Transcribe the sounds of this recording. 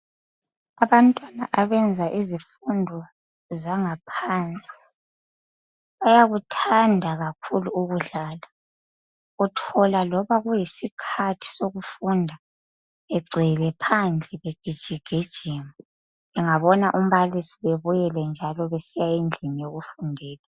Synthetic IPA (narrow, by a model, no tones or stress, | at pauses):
aβantʼwana̰ʔaβɛnd͡zʱaʔizifundʱɔ | zaŋapʰant͡sʼi̥ | βajaɣutʰandʱaɣakʰuluuɣuɮaːla | ɣutʰɔlalɔβaɣujisikʰatʰi̥soɣufundʱa | ɛɡ͡ǀʱilɛpʰand͡ɮʱʼɛβeɡ̥ʱid̥ʒ̥ʱiɡ̥ʱid̥ʒ̥ʱiːmbu | βɛŋaβɔnaʔum̩βalisiβeβujɛlɛnd͡ʒʱalɔβesijaind͡ɮʱinijoɣufundʱɛːla